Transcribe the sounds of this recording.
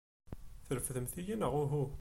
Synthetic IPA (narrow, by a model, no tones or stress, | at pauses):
θəɾəfðəmθijinəʁuɦu